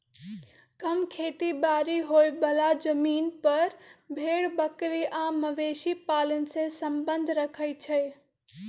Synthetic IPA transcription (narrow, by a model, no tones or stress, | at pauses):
kɐmkʰeːt̪ibaːɾiɦoːibəlad͡ʒəmiːnpɐɾbʱeːɽbəkɾiʔãːməʋeːʃipaːlənsesə̃mbə̃nd̪ʱɾəkʰəjt͡ʃʰee